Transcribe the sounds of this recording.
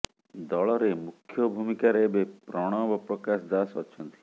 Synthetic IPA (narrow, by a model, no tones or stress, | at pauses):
d̪ɔɭɔɾemukʰjɔbʱumikaɾeːbepɾɔɽ̃ɔbɔpɾɔkasd̪asɔ̰t͡ʃʰɔnt̪i̥